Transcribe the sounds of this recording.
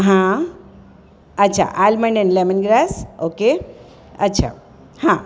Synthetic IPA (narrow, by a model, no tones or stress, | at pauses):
ɦã | ətːʃʰa̰ʔalməɳɖənlemənɡɾasoke | ətːʃʰa̰ | hã